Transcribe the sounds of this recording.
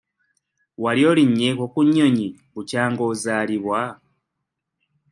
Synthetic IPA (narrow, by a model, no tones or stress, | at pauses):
waljo̞ːliɲːekokuɲːo̞ɲi | βucaːŋɡo̞ːzaːliβwa